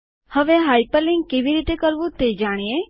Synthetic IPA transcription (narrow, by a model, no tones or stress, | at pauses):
həʋeɦaːipəlɪ̃ŋɡkiʋiɾiːt̪ekəɾʋũt̪eːd͡ʒaːɽ̃ie